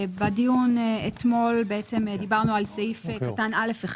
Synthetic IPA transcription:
badijunet̪mo̞lbeet͡semd̪ibaʁnualseifkatanʔale̞feχ

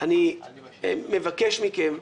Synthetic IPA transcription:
ʔani | mevakeʃmikem

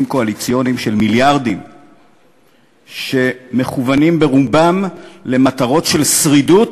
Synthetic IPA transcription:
mko̞alit͡sijo̞nimʃelmiljaʁdim | ʃe̞me̞χuvanimbeʁubamle̞mat̪aʁo̞tʃe̞lsʁidut

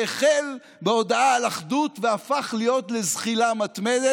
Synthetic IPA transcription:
eχel | beo̞daaalaχdutveafaχlijo̞tle̞zχilamat̪mede

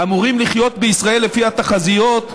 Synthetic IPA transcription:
amuʁimliχjo̞t̪beisʁae̞lːefihat̪aχazijo̞t̪

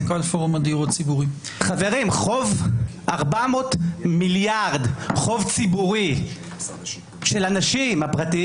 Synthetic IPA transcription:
kolfoʁumad̪iʁott͡sibuʁi | χaveʁimχovʔaʁbamotmiljaʁd̪χo̞vt͡sibuʁi | ʃelanaʃimhapʁat̪i

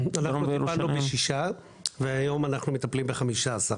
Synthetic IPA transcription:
ananumpalnubeʃiʃa | veajo̞manaχnumet̪aplimbeχamiʃaasaʁ

